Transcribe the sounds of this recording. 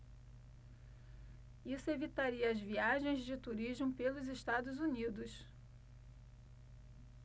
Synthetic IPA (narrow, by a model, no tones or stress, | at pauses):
isʊevit̪aɾiɐːzviaʒẽj̃zd͡ʒɪt̪uɾiʒmʊpelʊzeʃt̪ad̪ʊzunid̪ʊʃ